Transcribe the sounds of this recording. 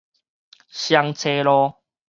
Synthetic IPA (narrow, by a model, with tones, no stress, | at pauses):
ɕja˧ŋt͡sʰe˧lɔ˧